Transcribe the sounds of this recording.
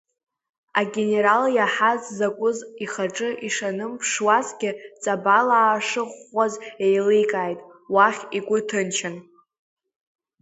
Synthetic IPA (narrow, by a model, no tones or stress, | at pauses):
aɡʲene̞ɾaljaħazːakʷʼʊziχaʈ͡ʂʼɨʔiʂanɨmpʰʂwazɡʲɪt͡sʼabalaːʂɨʁːʷazejlejkʼajtʼ | waχʲiɡʷʊtʰɨnt͡ʃʰan